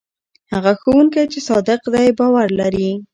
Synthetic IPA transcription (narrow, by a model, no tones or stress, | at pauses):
haɣaxowuŋkajt͡ʃesɑd̪ɪqd̪ajbɑwaɾlaɾi